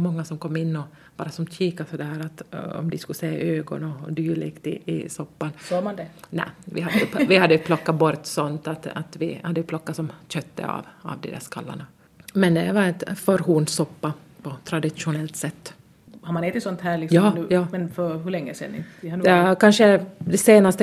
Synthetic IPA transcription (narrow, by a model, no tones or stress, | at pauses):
mɔŋːasɔmkʰɔmːɪnːɔ | b̥ɑːɾasɔmt̪ʰiːkasɔd̪ɛhɦæːɾat̪ɔ̰md̪ɪskʉlseːa̰øːɡɔ̰nɔd̪yːɭɪ̰ɡt̪ɪʔɪsɔpːansɔmand̪ɛnɛ̰vɪhad̪əvɪhad̪ːəjʉpʰlɔkːat̪bɔɾt̪sɔnt̪at̪a̰t̪vɪhad̪ːəjʉpʰlɔkːat̪sɔmɕœt̪ːə̰a̰va̰vd̪ɛ̰d̪æ̰ːʂkʰa̰lːa̰ɳa | mɛnd̪ɛvaɾɛt̪fœɾɦuːnsɔpːapʰɔt̪ʰɾad̪ɪʂʊnɛlt̪sɛt̪ː | haɾmanɛːt̪ɪt̪sɔnt̪hæːlɪksɑmːnʉːjɑːmɛnfœɾɦʉɭɛŋːəsɛ̰nːɪ̰ɪhanɛkanʂəd̪ɛseːnast̪ə